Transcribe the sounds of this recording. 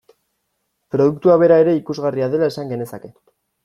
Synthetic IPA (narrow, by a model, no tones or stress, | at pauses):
pɾo̞ð̞ukt̪uaβ̞e̞ɾae̞ɾe̞ikuzɣariaðe̞lae̞saŋɡe̞ne̞sake̞